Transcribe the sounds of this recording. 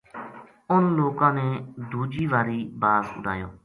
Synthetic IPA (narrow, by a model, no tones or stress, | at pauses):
ʊnloːkãːnẽːd̪uːd͡ʒiːʋaːɾiːbaːzʊ̰ɖʱa̰ːjõ̰ː